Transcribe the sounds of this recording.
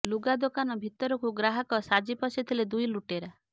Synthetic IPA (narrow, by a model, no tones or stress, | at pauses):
luɡad̪okanɔbʱit̪ɔɾɔkuɡɾaɦɔkɔsad͡ʒipɔsit̪ʰiled̪ujluʈeɾa